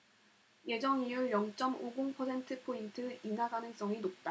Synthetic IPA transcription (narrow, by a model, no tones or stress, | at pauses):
je̞d͡ʑʌŋiujʌŋt͡ɕ͈ʌmoɡoŋpʰʌsʰe̞ntʰɯpʰointʰɯinaɡanɯŋs͈ʌŋinop̚t͈a